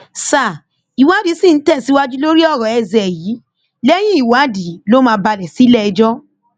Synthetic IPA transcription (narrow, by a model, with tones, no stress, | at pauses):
sa˨ | i˨wa˦di˨˦sĩ˦˨n̩˦tɛ˦˨si˨˦wa˧d͡ʒu˦lo˦ɾi˦ɔ˦˨ɾɔ̃˨ɛ˧˨zɛ˨ji˨˦ | lɛ˦j̃ĩ˦i˦˨wa˨˦di˨˦lo˦mãː˧˦ba˧lɛ˨si˨˦lɛ˦˨ɛ˧d͡ʒɔ˦